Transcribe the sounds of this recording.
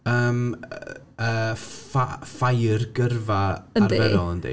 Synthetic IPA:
əːm̰ | əːfafajrɡərvaarvɛɾɔlˠəndḭ

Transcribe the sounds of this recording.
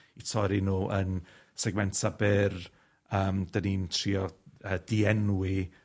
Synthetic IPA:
itʰɔɾinuːʔən | sɛɡmɛntʰabɪr | əːmdənintʰriɔəːdiɛnwɪ

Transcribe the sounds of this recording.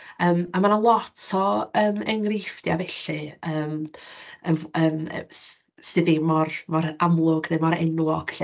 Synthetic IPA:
əːmamanalˠɔtʰɔəːmɛŋrɪfdjavɛɬɨəːm | əəːm̰ | stɨðimɔrmɔɾamlˠʊɡnɨmɔɾɛ̰nwɔɡ̥ɬ

